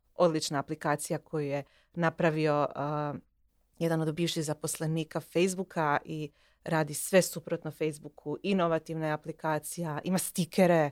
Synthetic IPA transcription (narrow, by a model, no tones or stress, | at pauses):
o̞d̪lit͡ʃnaːplikaːt̪sijakʰo̞juje | napɾaʋio̞ | jed̪ano̞d̪biːʋʃiɣzapo̞sle̞niːkafe̞jzbukʰaʔi | ɾaːd̪isʋe̞supɾot̪nofe̞jzbukʰuʔinoʋat̪iʋnajeaplikaːt̪sijaʔḭmast̪ikʰeɾe